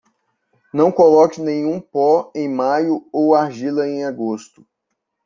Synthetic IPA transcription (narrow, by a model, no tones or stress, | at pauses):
nɐ̃w̃kolɔkɪnẽɲũpɔẽj̃majʊowaɾʒilɐẽj̃aɡost̪ʊ̥